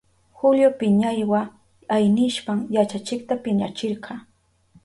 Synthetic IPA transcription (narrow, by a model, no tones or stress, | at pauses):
xʊljopɪɲajwa | ajnɪʃpaŋjat͡ʃat͡ʃɪk̚t̪apɪɲat͡ʃɪɾɢʰɑː